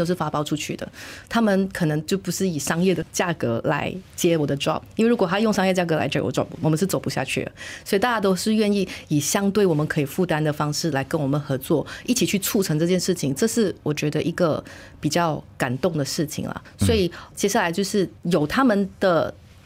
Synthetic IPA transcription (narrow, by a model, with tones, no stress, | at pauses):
o˥ʊʂɻ̩˥˩fa˥pɑ˥˧ʊʈ͡ʂʰu˥t͡ɕʰy˥˩d̪ə̰˩t̪ʰa˥mə˨nkʰɤ˨˩nɤ˧˥ŋt͡ɕjo˥˩ʊpu˧˥ʂɻ̩˥˩i˨˩ʂɑ˥ŋjɛ˥˩d̪ə˩t͡ɕja˥˩kɤ˧˥la̰˧˥ɪt͡ɕjɛ˥wɔ˨˩d̪ə˦ʈ͡ʂɑ̰˥˩p̚i˥nwe˥˩ɻu˧˥kw̪ʰa˥˧jŋʂ̬ɑ˥ŋjɛ˥˩˧ə˧t͡ɕja˥˩k̬ɤ˧la̰˧ɪt͡ɕwɔ̰˨˩ʈ͡ʂɑ̰˥˩pwɔ˨˩mə˧˦nʂɻ̩˥˩t͡so˨˩ʊpu˧˥ɕja̰˥˧t͡ɕʰy̰˥˩d̪ə̰˩swɔ˧˥i˨˩t̪a˥˧˩ja˥˩t̪o˥ʊʂɻ̩˥˧ɥɛ˥˧ni˥˩i˨˩ɕjɑ˥ŋt̪we˥˩ɪwɔ˨˩mə˦nkʰɤ˧˥i˨˩fu˥˩t̪a˥nd̪ə˨fɑ˥ŋʂɻ̩˥˩la˧˥ɪkə˥nwɔ˨˩mə˨nxɤ˧˥t͡swɔ˥˩i˥˩t͡ɕʰi˨˩t͡ɕʰy˥˧t͡sʰu˥˩ʈ͡ʂʰɤ˧˥ŋʈ͡ʂɤ˥˧t͡ɕjɛ˥˧nʂɻ̩˥˩t͡ɕʰi˩˦ŋʈ͡ʂɤ˥˧ʂɻ̩˥˩wɔ˨˩t͡ɕɥɛ˧˥d̪ə˧ʔi˧˥ɡə˧ | pi˨˩t͡ɕjɑ˥˩ʊka˨˩nt̪ʊ˥˩ŋd̪ə˩ʂɻ̩˥˩t͡ɕʰḭ˩ŋlɐ̰˩swɔ˧˥i˨˩t͡ɕjɛ˥ɕja˥˩la˧˥ɪt͡ɕjo˥˧ʊʂɻ̩˥˩jo˨˩ʊt̪ʰa˥mə˨nd̪̥ə˨